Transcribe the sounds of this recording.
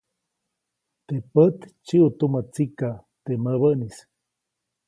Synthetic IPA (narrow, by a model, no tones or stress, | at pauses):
t̪epət̪t͡ʃiʔut̪umət͡sikat̪eməβənis